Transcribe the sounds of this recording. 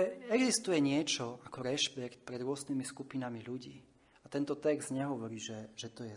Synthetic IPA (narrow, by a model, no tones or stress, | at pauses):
ɛɛɡzist̪ujɛɲɪɛt͡ʃɔakɔɾɛʃpɛkt̪̚pɾɛd̪ɾʊɔznimiskupinamiʎuɟiː | at̪ɛnt̪ɔt̪ɛɡzd̪ɲɛɦɔʋɔɾiːʒɛʒ̥ɛt̪ɔjɛ